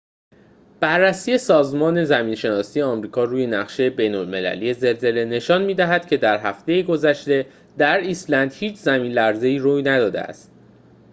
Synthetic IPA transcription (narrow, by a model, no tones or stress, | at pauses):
b̥ærːæsiːje̞sɒːzmɒːne̞zæmiːnʃe̞nɒːsiːjeɒːmɾiːkʰɒːruːje̞næʁʃe̞je̞be̞jnolme̞læ̰lije̞ze̞lze̞le̞ne̞ʃɒːnmiːd̪æɦæd̪̥cʰe̞d̪æɾɦæft̪e̞jeɡo̞zæʃt̪e̞ | d̪æɾiːslænd̪̥hiːt͡ʃʰzæmiːnlæɾze̞iːɾuːjnæd̪ɒːd̪eæ̰st̪̚